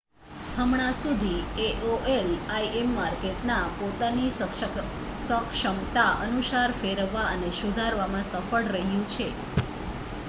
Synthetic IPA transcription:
əmɳ̃asud̪ʱieʔoʔelaiemːaɾkeʈnapot̪ani | səkʃəmt̪aʔənuʃaɾfeɾəʋːaənesud̪ʱaɾʋamãsəfəɭɾəɦjũt͡ʃʰe

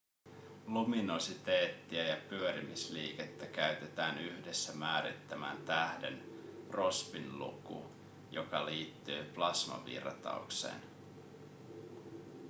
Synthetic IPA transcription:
lumino̞sit̪eːt̪ːiæjɑpyøɾimisliːket̪ːækæɥt̪et̪æːnyçde̞sːæmæːɾḭt̪ːæmæ̰ːnt̪æhde̞̰npro̞spinlṵkṵ | jo̞kɑliːt̪ːyːplɑsmɑ̰ʋḭrɑt̪ɑ̰ukse̞̰ːn

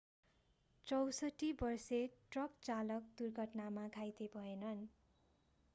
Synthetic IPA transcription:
t͡sʌwsʌʈibʌrseʈrʌkt͡salʌk̚d̪urɡʱʌʈnamaɡʱajt̪ebʱʌenʌn

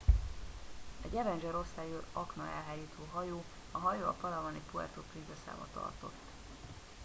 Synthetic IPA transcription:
ɛɟɛvɛnd͡ʒɛɾo̞sajøɒknɒɛ̰lɦaːjiːt̪ʰoːɦɒjoː | ɒɦɒjoːɒ̰pɒlɒvonipuɛ̰rt̪oːprinzɛsa̰ːbɒ̰t̪ɒ̰rt̪o̞̰t̪ː

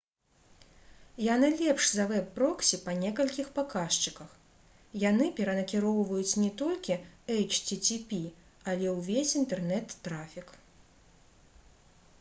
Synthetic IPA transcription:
janɨlʲɛpʂzɐvɛpːɾɔksʲipɐnʲɛkɐlʲkʲixpakaʂt͡ʂɨkɐx | janɨpʲɛɾɐnɐkʲiɾɔwvɐjut͡sʲnʲɛt̪ɔlʲkʲiɛjt͡ʂt͡sʲit͡sʲipʲi | ɐlʲɛwvʲesʲint̪ɛrnɛt̪ːɾafʲik

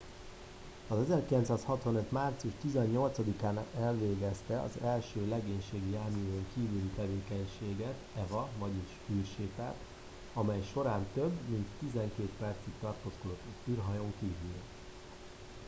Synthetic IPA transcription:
ɒzɛzɛrkilɛnt̪saːshɒt̪ʋɒnøt̪maːrt̪sijuʃt̪izɛɲːo̞lt̪sɒd̪ikaːnɛlveːɡɛst̪ɛɒ̰zɛlʃøːlɛɡeːɲʃeːɡijaːmijoŋkiːvylit̪ɛveːkɛɲʃeːɡɛt̪ɛvɒvɒɟiʃylʃeːt̪ɛ̰rt̪ | ɒmɛjʃo̞ɾaːnt̪øbːmint̪ːizɛŋkeːt̪pɛrt̪sikt̪ɒrt̪osko̞d̪o̞t̪ːyːrɦɒjoːŋkiːvyl

